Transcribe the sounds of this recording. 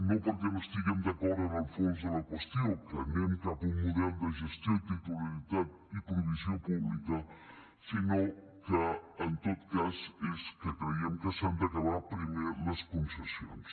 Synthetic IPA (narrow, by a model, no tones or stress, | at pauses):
nõpoɾkemost̪iɣemd̪ɐkɔɾɐnalfonzðəlɐkwest̪jowkənẽmkapuŋmuðɛld̪əʒest̪et̪it̪ulilit̪at̪ | ipɾuβisjopuβlikɐ | sino | kəːnt̪ot̪kaseskəkɾeiemkəsant̪ɐkɐβapɾimeɾlɐskunsɐsjo̰ns